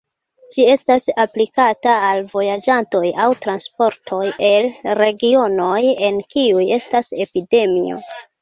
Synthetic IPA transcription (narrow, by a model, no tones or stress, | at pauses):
d͡ʒie̞stasaplikataːlvo̞jad͡ʒanto̞jawtɾanspo̞ɾtʰo̞je̞lɾe̞ɡio̞no̞je̞nkiuje̞stase̞pide̞mḭo̞̰